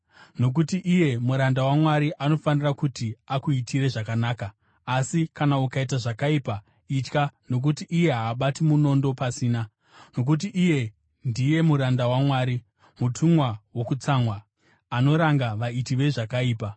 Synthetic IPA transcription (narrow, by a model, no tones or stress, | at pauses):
no̞k̬utiʔije̞muɾandawamwaɾiʔano̞fanirakutiakuitʰiɾe̞ʐakanaːkaː | sikanaukaitaʐakaipa | it͡ʃkano̞k̬utiʔːje̞ɦaːɓatimuno̞ndo̞pasiːna | no̞k̬ut̬iʔije̞ | ndije̞muɾandawamwaːɾi | mutʰumwawo̞kut͡samwa | ano̞ɾaŋɡaʋaitiʋe̞ʐakaiːpa